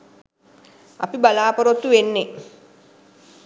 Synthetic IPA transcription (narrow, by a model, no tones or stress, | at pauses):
a̰pibalaːpoɾot̪ːuʋenːe